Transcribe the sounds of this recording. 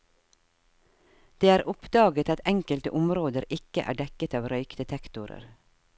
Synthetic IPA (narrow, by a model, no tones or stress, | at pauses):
d̪̥eːæːɾʔʊpd̪ɑːɡət̪ɑt̪ɛŋkəlt̪əʔʊmɾoːd̪əɾɪkəʔæ̰ːɖɛkət̪ɑːʋɾœʏkd̪ət̪ʰɛkt̪ʊɾə̰ɾ